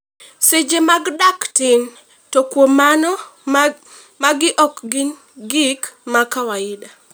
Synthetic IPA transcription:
sɪd͡ʒemaɡdaktɪn | tɔkwomanɔ | maɡɪʔɔkɡɪn | ɡɪkmakawaɪda

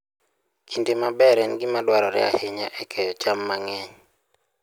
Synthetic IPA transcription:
kʰindemabɛɾɛnɡɪmadwaɾɔɾɛ̰a̰hɪɲaʔɛkʰɛjɔt͡ʃamːaŋɛɲ

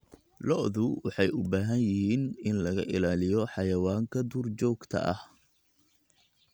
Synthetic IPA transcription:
lɔʔðʊwɑħɑjʔʊbaːɦɐnjɪhiːnɪnlɐɣɐʔɪlaːlɪjɔħɑjɐwaːŋkʰɐd̪uːrt͡ʃɔːɡt̪ʰɐ̰ʔɐ̰h

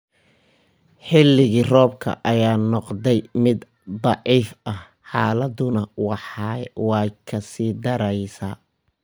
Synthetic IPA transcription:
ħɪlːɪɣiːrɔːb̚kʰɐ̰ʔɐjaːnɔqd̪ɛjmɪd̪ | d̪ˤɑʕiːfɐh | ħɑːlɐd̪ʊnɐwɑħɑwɑjkʰɐsiːd̪ɐɾɐjsaː

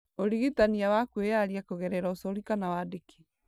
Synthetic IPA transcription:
oɾiɣitaniawakwejaɾiakoɣɛɾɛɾaosɔɾikanawadeki̥

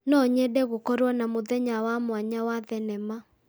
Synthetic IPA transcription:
nɔɲɛdɛɣokɔɾwɔnamoðɛɲawamwaɲawaðɛnɛma

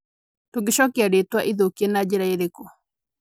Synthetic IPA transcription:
toɡeɕɔkeaɾetwaʔiðokienad͡ʑeɾaeɾekɔ

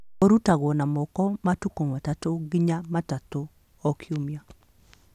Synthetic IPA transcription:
oɾutaɡɔnamɔkɔmatukomatatoɡɪɲamatato | ɔkʰjomja

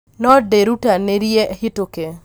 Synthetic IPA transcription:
nɔdeɾutaneɾjehitoke

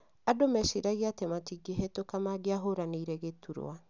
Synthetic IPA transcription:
adomɛʃiɾaɣiatɛmatiɡeɦetokamaɡeaɦoɾaneiɾɛɣetuɾo̰a

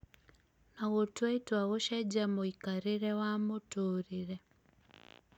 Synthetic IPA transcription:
naɣotuaitwaɣoʃaɟamoikaɾiɾewamotuːɾiɾe

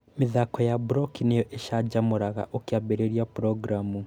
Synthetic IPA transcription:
miðakɔjabuɾɔkinejɔʔeʃad͡ʑamoɾaɣa̰ʔokjabeɾeɾiapɾɔɡɾamu

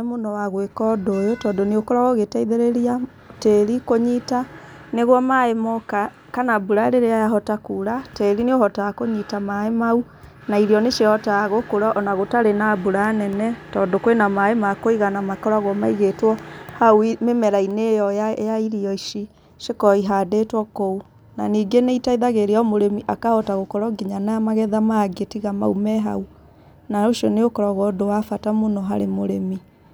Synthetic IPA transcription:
monɔwaɣwekɔdojotɔːndoneokoɾaɣoɣetaiðeɾeɾia | tɛɾikoɲita | neɣwɔmaemɔka | kanabuɾaɾeɾeajaɦɔtakuɾatɛɾineohɔtakoɲitamaemau | naiɾiɔneʃehɔtaɣokoɾɔʔɔnaɣotaɾenabuɾaːnɛnɛtɔːdokwenamaemakoiɣanamakɔɾaɣwɔmaiɣetwɔhaumemɛɾainejɔjaiɾiɔiʃi | ʃekɔiɦadetwɔkou | naniːɡeneitaiðaɣeɾeɔmoɾemiʔakaɔtaɣokɔɾɔɡiɲanaamaɣɛðamaɡetiɣama̰umɛɦa̰u | naoʃiɔneokɔɾaɣɔdowafatamonɔɦaɾemoɾemi

